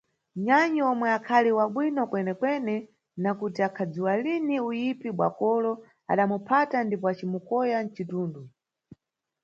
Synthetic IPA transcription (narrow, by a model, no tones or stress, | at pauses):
ɲaɲɔɔmwɛakʰaliwaɓwinɔkwɛnɛkwɛnɛ | nakutiakʰad͡ziwaliniujipiɓwa̰kɔlɔ | a̰ɗamupʰatandipɔat͡ʃimukɔjan̩t͡ʃituːndu